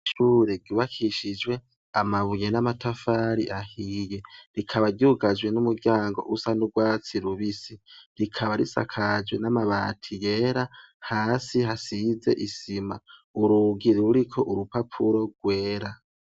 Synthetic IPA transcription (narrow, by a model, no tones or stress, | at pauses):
ʃuːɾeɡuːβakʰiʃid͡ʒwe̞ | a̰maβujenamatafaɾiʔahije̞ɾikʰaβaɾɟuɡad͡ʒwe̞numuɾɡɟaːŋɡo̞̰ʔusanuɡwaːt͡siɾuβisiɾikʰaβaɾisa̰kʰad͡ʒwenamaβaːtʰije̞ːɾahaːsiɦasize̞̰ʔisimauɾuɡiɾɾuɾikʰo̞ʔuɾupapʰuɾo̞ɡ̥we̞ːɾa